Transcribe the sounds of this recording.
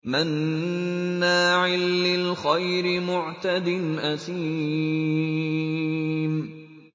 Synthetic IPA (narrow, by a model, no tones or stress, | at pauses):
manː | aːʕɪlːɪlxajɾɪmʊʕt̪ad̪ɪnʔasiː | m